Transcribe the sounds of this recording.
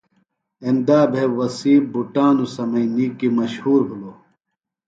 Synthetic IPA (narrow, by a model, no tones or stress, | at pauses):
end̪aːbʱewɐsiːbuʈaːnusɐmɐiniːkimɐɕhuːɾbʱulo